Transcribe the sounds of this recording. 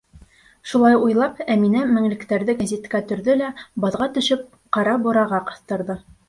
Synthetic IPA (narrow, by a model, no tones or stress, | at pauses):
ʃulˠɑjujlˠɑpæminæmɘ̆ŋlɘ̆kt̪æɾðɘɡæzʲit̪kæt̪ɵ̆ɾðɵlæbɑðʁɑt̪ɵ̆ʃɘp̚ | qɑɾɑbŏɾɑʁɑqɤ̆θt̪ɤ̆ɾðɤ